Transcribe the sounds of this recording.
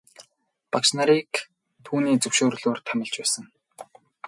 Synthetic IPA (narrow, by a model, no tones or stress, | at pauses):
paksnaɾik | t̪ʰuːniːt͡sɵwʃoːrɮoːrt̪ʰæmʲɪ̆ɮt͡ɕpæːsə̆ŋ